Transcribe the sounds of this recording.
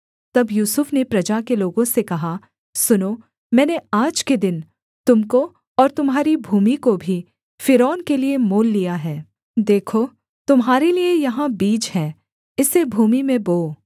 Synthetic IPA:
t̪ɐbjuːsʊfnepɾɐd͡ʒakeloːɡõsekɐɦa | sʊnoː | mɛ̃ːneaːd͡ʒked̪ɪn | t̪ʊmko | ɔːɾt̪ʊmɦaːɾibʱuːmikobʱi | fɪɾɔːnkeliemoːlːijaɦɛː | d̪eːkʰo | t̪ʊmɦaːɾeliejɐɦãbiːd͡ʒɦɛː | ɪsebʱuːmimẽboː

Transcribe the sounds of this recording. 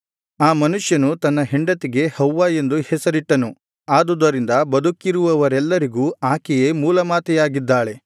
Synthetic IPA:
aːmɐnuʂjɐnut̪ɐnːɐɦeɳɖɐt̪iɡe̞hɐwːaːje̞nd̪uhɛsɐɾiʈːɐnu | aːd̪ud̪ɐɾind̪ɐbɐd̪ukːiɾuʋɐʋɐɾɛlːɐɾiɡuːaːkɛjemuːlɐmaːt̪ɛjaːɡid̪ːaːɭe̞

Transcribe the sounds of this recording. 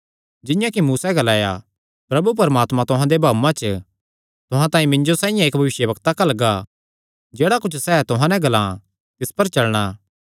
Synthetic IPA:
d͡ʒɪ̃jãkimuːsaɡɐlaːja̰ | pɾɐbup̬ɐɾəmaːt̪mãt̪ʊɦãd̪ebʱaːmãt͡ʃə | t̪ʊɦãt̪ãːĩmɪ̃ɲd͡ʒosãːĩjãeːk̚bʱɐʋɪʃjəbɐkt̪akɐlɡa | d͡ʒeːɽakʊt͡ʃʰsɛːt̪ʊɦãnɛ̃ɡɐlã | t̪ɪspɐɾt͡ʃɐlɽ̃aː

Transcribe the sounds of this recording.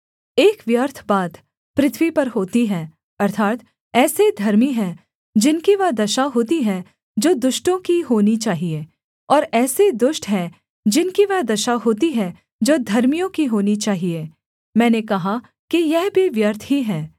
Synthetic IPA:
eːkʋjəɾt̪ʰbaːt̪ | pɾɪt̪ʰʋipɐɾɦoːt̪iɦɛː | ɐɾt̪ʰaːt̪ | ɛːsed̪ʱɐɾmiɦɛ̃ | d͡ʒɪnkiʋɐd̪ɐʃaɦoːt̪iɦɛ | d͡ʒoːd̪ʊʃʈõkiɦoːnit͡ʃaːɦieː | ɔːɾɛːsed̪ʊʃʈɦɛ | d͡ʒɪnkiʋɐɦd̪ɐʃaɦoːt̪iɦɛ | d͡ʒoːd̪ʱɐɾmijõkiɦoːnit͡ʃaːɦie | mɛ̃ːnekɐɦa | kijɛɦbʱiʋjəɾt̪ʰɦiɦɛː

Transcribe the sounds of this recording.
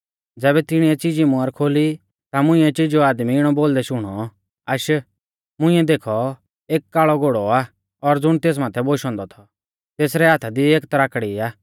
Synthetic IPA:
d͡zɛːbɛt̪ɪɽ̃iɛt͡sid͡ʒimʊ̃ɐɾkʰoːli | t̪amʊ̃ĩːɛt͡ʃid͡ʒoaːd̪miɪɽ̃ɔboːld̪ɛʃʊɽ̃ɔ | ɐʃ | mʊ̃ɪ̃ːɛd̪eːkʰɔ | eːkːaːɭɔɡoːɽɔaː | ɔɾd͡zʊɽ̃t̪eːs̬maːt̪ʰɛboːʃɔ̃ːnd̪ɔt̪ʰɔ | t̪eːsɾɛɦaːt̪ʰad̪ieːkt̪ɾaːkɽiaː

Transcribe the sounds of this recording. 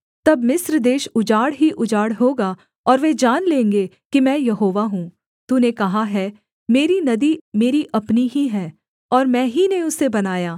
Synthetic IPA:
t̪ɐbmɪsɾd̪eːʃʊd͡ʒaːɽɦiʔʊd͡ʒaːɽɦoːɡa | ɔːɾʋed͡ʒaːnlẽːŋɡe | kimɛ̃ːjɐɦoːʋaɦũː | t̪unekɐɦaɦɛː | meːɾinɐd̪imeːɾiʔɐpniɦiɦɛː | ɔːɾmɛ̃ːɦineʊsebɐnaːjaː

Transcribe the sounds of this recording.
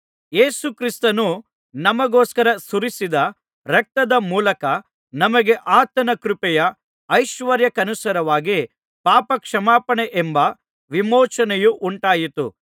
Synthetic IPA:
jeːsukɾist̪ɐnu | nɐmɐɡoːskɐɾɐsuɾisid̪ɐ | ɾɐk̚t̪ɐd̪ɐmuːlɐkɐ | nɐmɐɡe̞ʔaːt̪ɐnɐkɾupɛjɐː | jʃʋɐɾjɐkɐnusɐɾɐʋaːɡi | paːpɐkʂɐmaːpɐɳeʔembɐ | ʋimoːt͡ʃɐnɛjuʔuɳʈaːjit̪ṵ

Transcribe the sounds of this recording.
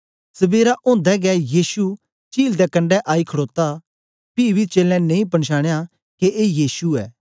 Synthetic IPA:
sɐbeːɾaʔõːnd̪ɛɡɛjiːsu | t͡ʃiːld̪ɛkɐ̃ɳɖɛʔaːikʰɐɽoːt̪a | piːbʱit͡ʃeːlɛ̃nẽĩpɐɳʃaːɽ̃ja | keʔeːjiːsuɛ̰ː

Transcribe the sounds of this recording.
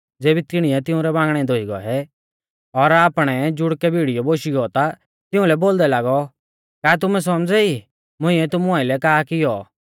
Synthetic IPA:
d͡zeːbit̪ɪɽ̃ijɛt̪ɪʊ̃ɾɛbãːŋɡɽ̃ɛ̃d̪ʱoːiɡɔ̰ɛ | ɔɾaːpɽ̃ɛd͡ʒʊɽkɛbʱiɽijɔboːʃiɡɔt̪a | t̪ɪũlɛboːld̪ɛlaːɡɔ | kaːt̪̬ʊmɛs̬ɔmd͡zɛi | mʊ̃ĩɛt̪ʊmũaːɪlɛkaːkɪjɔ

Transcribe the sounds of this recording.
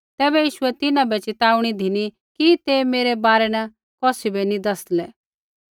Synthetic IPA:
t̪ɛːbɛjiːʃʊɛt̪ɪnãbɛt͡ʃɪt̪aːuɽ̃id̪ʱini | kit̪emeːɾɛbaːɾɛnɐ | kɔːsibɛnĩd̪ɐslɛː

